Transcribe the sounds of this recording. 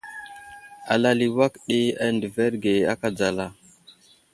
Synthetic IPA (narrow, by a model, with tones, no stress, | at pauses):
a˨la˨li˨wa˦kɗi˦a˦ndə˨ve˦ɾɡe˨a˦ka˨d͡za˨la˦˨